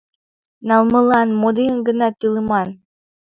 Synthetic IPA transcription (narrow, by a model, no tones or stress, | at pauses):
nɑlˠmɤ̆lˠɑnmod̪iənɡə̆nɑt̪ɯlˠɤmɑn